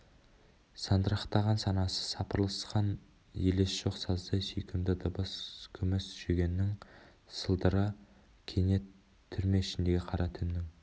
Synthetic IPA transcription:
sɑnd̪əɾɑχt̪ɑʁɑnsɑnɑsə̥sɑpəɾlˠəsqɑn | jelesʒ̥o̞qsɑzd̪ɑjsijkʲʰɪmd̪ɪd̪ɑbɑskʲʰʏmɪsʒ̥eɡʲe̞nːɪŋ | səlˠd̪əɾə | kʲʰe̞ne̞t̪ʰː | ʏɾme̞ɪʃɪnd̪e̞ɡʲeqʰɑɾɑt̪ʰɪnːɪŋ

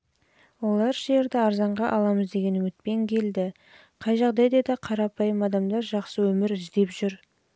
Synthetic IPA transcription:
wo̞lˠɑɾʒe̞ɾd̪ɪɑɾzɑɴʁɑʔɑlˠɑməzd̪e̞ɡʲe̞nʊmɪt̪̚pe̞ŋkʲʰe̞ld̪ɪ | qʰɑjʒɑʁd̪ɑjd̪ɑd̪ɑqʰɑɾɑpɑjəmɑd̪ɑmd̪ɑɾʒɑqsəwɵmɪɾɪzd̪e̞pʒʏɾ

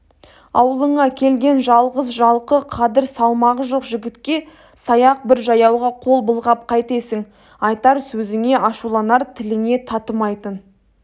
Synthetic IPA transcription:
ɑ̰wəlˠəɴɑkʲʰe̞lɡʲe̞nʒɑlˠʁəzʒɑlˠqəqʰɑd̪ɪɾsɑlˠmɑʁəʒo̞qʒɪɡʲɪt̪kʲe̞ | sɑjɑq̚bɪɾʒɑjɑwʁɑqʰo̞lˠbəlˠʁɑp̚qʰɑjt̪e̞sɪŋ | ɑjt̪ɑɾsɵzɪŋe̞ʔɑʃulˠɑnɑɾt̪ʰɪlɪne̞t̪ʰɑt̪əmɑjt̪ən

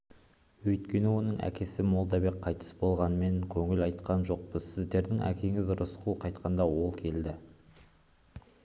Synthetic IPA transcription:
wɵjt̪kʲe̞nɪwo̞nəɴæ̰kʲe̞sɪmo̞lˠd̪ɑbe̞kqʰːɑjt̪ʰə̥sbo̞lˠʁɑnme̞ŋkʲʰɵŋɪlɑjt̪qɑnʒo̞q̚b̥əzsɪzd̪e̞ɾd̪ɪŋæ̰kʲe̞ŋɪzɾʊsqʰulˠqʰɑjt̪qɑnd̪ɑwo̞lˠkʲʰe̞ld̪ɪ

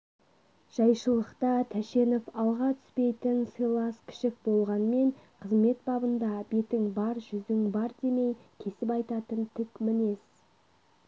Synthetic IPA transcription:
ʒ̥ɑjʃəlˠəqt̪ɑt̪ʰæʃe̞nofɑlˠʁɑt̪ʰʏ̥spe̞jt̪ɪnsijlˠɑskʲʰɪ̥ʃɪk̚bo̞lˠʁɑnme̞ɴqʰəzme̞t̪̚bɑbənd̪ɑbe̞t̪ɪŋbɑɾʒʏzɪŋbɑɾd̪e̞me̞jkʲʰe̞sɪpɑjt̪ɑt̪ənt̪ʰʏkmɪne̞s

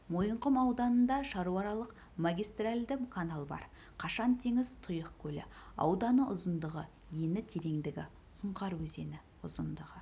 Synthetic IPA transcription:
mo̞jəɴqəmɑwd̪ɑnənd̪ɑʃɑɾuɑɾɑlˠəq | maɡʲijst̪ralʲd̪ɪmkʰanalˠbɑ̰ɾ | qʰɑʃɑnt̪ʰe̞ŋɪzt̪ʰʊjəqkʲʰɵlɪ̰ɑ̰wd̪ɑnəʔʊzənd̪əʁə | je̞nɪt̪ʰe̞ɾe̞ŋd̪ɪɡʲɪ | sʊɴqɑɾwɵze̞nɪ | ʊ̰zənd̪əʁə

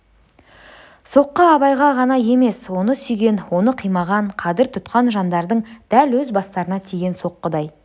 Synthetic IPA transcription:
so̞qːəɑβɑjʁɑʁɑnɑje̞me̞swo̞nəsʏjɡʲe̞nwo̞nəqʰijmɑʁɑɴqʰɑd̪ɪɾt̪ʰʊt̪qɑnʒɑnd̪ɑɾd̪əɴd̪̥ælwɵzbɑst̪ɑɾənɑt̪ʰijɡʲe̞nso̞qːəd̪ɑj

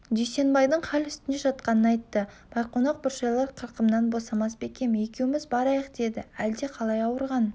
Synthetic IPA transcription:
ʒejse̞nbɑjd̪əɴqʰɑlʏst̪ɪneʒɑt̪qɑnənɑjt̪ːəb̥ɑjqʰonɑq̚bʊɾʃɑjlˠɑɾqʰəɾqəmnɑnbo̞sɑmɑsbe̞kʲe̞mje̞kʲe̞wɪmɪzbɑɾɑjəqd̪e̞d̪ɪæld̪e̞qʰɑlˠɑjɑwəɾʁɑn

